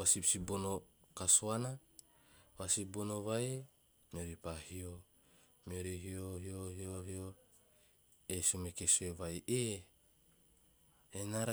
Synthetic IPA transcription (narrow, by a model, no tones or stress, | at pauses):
wasipsibonokasoana | wasibonoβae | mioɾipahio | mioɾiɦioɦiohioɦio | esumekesoeβajʔe | enaɾa